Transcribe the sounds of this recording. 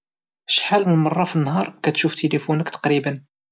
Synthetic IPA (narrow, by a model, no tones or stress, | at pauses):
ʃħalmənmɑrˤːɑfinːhɑɾˤkæt̪ʃuft̪elifunəkt̪ɑ̥qɾibən